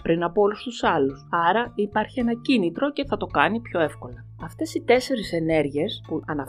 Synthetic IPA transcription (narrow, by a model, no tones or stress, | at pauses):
pɾinɐpoo̞lust̪usɐlusɐɾɐipɐɾçie̞nɐcinit̪ɾo̞ce̞θɐt̪o̞kɐnipço̞e̞fko̞lɐ | ɐft̪e̞sit̪e̞se̞ɾise̞ne̞ɾʝiespuʔɐnɐ